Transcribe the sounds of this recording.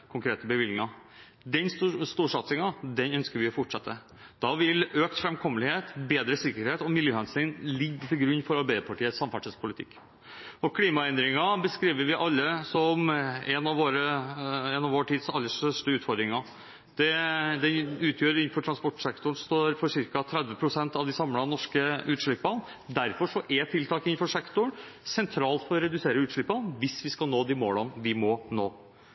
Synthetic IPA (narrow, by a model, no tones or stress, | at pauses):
kʰʊŋkɾeːt̪əbəʋɪlɪŋɑ | d̪ɛnsst̪uːʂɑt̪sɪŋɑd̪ɛnœnskəɾʋɪɔfɔʈʂɛt̪ʰːə | d̪̥ɑʋɪløːkt̪fɾɛmkʰɔmːəlɪheːt̪beːd̪ɾəsɪkːəɾheːt̪ɔmɪljøːɑnsɪnlɪɡːt̪ʰɪlɡɾʉnːfɔɾɑɾbæɪd̪əpʰɑʈiːəsɑmfæʈʂəspʰʊlɪt̪ʰɪkː | ɔkʰliːmɑɛnd̪ɾɪŋɑbəskɾiːʋəɾʋɪʔɑlːəsɔmɛnɑʋʋoːɾəɛnɑʋoːʈʰiːd̪sɑlːəʂt̪œʂʈəʉːt̪fɔɾd̪ɾɪŋɑ | d̪̥ɛd̪ɛnʉːt̪ʰjøːɾɪnfɔʈʰɾɑnspɔʈːʂɛkt̪ʊɳst̪oːɾfɔʂɪɾkɑt̪ʰɾɛd̪ʋəpʰɾʊsɛnt̪ɑʋd̪ɪsɑmlɑnɔʂkəʉːt̪ʂɭɪpːɑn | d̪æɾfɔʂɔʔɛt̪ʰɪlt̪ʰɑːkɪnfɔʂɛkt̪ʊɳsɛnt̪ʰɾɑːlt̪fɔɾɔɾɛd̪ʉseːɾəʉːt̪ʂɭɪpːɑnʋɪsʋɪskɑlnoːd̪ɪmo̰ːlɑnʋɪmɔːnoː